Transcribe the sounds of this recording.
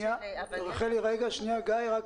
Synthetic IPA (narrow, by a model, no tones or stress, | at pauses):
aoʁχeliʁeɡaʃniaɡajʁaɡ